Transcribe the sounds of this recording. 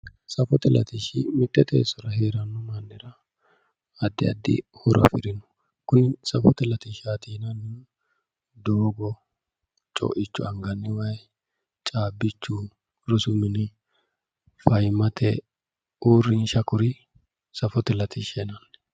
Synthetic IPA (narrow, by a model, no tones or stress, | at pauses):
sɐfɔt̪ɛlɐ̰t̪iʃɪmɪt̪ːɛt̪ʼḛːsɔɾɐɦeːɾɐnːʊmɐnːɪɾɐː | d̪ːɪɐd̪ːɪ̰hɔɾʔɐ̰fɪɾɪnʊ̥ | kʊnsɐfɔt̪ɛlɐt̪iʃaːt̪iːnɐnːɪ | d̪oːɡɔ | t͡ʃʼɔ̰ʔɪt͡ʃːʊɐŋɡɐnːɪwɐj | t͡ʃʼaːbːɪt͡ʃːu | ɾɔsʊmɪnɪ | fɐjmɐt̪ʰɛ | uːɾːɪnʃɐkʊɾɪ | sɐfɔt̪ɛlɐt̪ʰɪʃɛnɐnː